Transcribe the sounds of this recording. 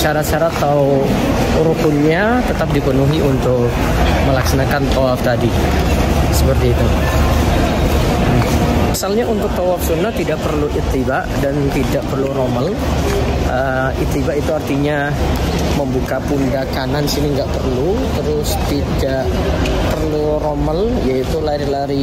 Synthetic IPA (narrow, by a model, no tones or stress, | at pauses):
t͡ʃaɾat͡ʃaɾat̪a | ɾukʊnɲa | t̪ət̪ap̚dipənuɦiʔunt̪ʊk | məlaksanakant̪owaf̚t̪adi | səpərt̪iːt̪u | misalɲaunt̪ʊk̚t̪owap̚sunːat̪idaʔpərluʔit̪ibaʔdant̪idaʔpərluɾoməl | ə | it̪ibaʔit̪uart̪iɲa | məmbukapundakananisiniŋɡaʔpərlut̪əɾʊst̪idaʔ | pərlu | ɾoməljait̪ulaɾilaɾi